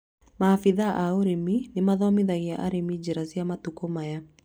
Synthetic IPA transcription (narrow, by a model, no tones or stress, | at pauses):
maːfiðaʔauɾeminemaðɔmiðaɣia̰ʔa̰ɾemid͡ʒɛɾaziamatukɔmaja